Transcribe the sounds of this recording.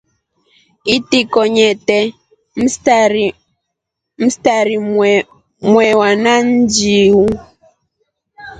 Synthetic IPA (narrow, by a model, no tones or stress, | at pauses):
itikɔɲɛtɛ | m̩ | m̩staɾi | mwɛwanan̩d͡ʒiwu